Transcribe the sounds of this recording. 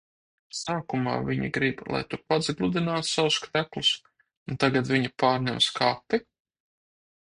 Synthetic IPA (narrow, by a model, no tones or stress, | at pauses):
saːkuma̰ːviɲḭɡɾiblˠa̰jt̪upad̪zɡlˠud̪inaːt̪sawuskɾæklˠus | unt̪aɡat̪viɲapaːɾnʲɛmskapːi